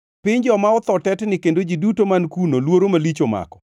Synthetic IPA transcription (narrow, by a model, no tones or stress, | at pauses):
pɪɲd͡ʒɔmaɔt̪ɔtɛtnɪkendod͡ʒidutomankunolwoɾomalit͡ʃoma̰kɔ̥